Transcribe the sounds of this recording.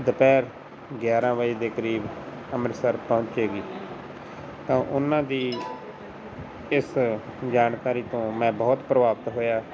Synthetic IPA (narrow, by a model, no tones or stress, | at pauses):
d̪əpɛːɾ | ɡjaːɾãːʋaːiːd̪eːkəɾiːb | əməɾsəɾpəʊ̃ɲt͡ʃeːɡiː | t̪ãːʔʊnãːd̪iː | ɪsd͡ʒaːnkaːɾiːt̪õːmɛ̃ːbɔːt̪pɾəʋaːpt̪ɦoːjaː